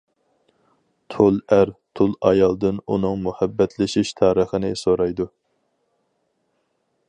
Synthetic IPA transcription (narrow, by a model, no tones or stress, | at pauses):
t̪ʰolˠæɾt̪ʰolˠɑjɑlˠd̪ɨnunɨŋmuhɛbːɛt̪ʰlɪʃiʃt̪ʰɑːɾəχənɪsoɾɑjd̪u